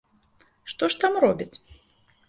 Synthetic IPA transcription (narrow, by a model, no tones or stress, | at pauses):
ʂt̪ɔʂt̪amrɔbʲit͡sʲ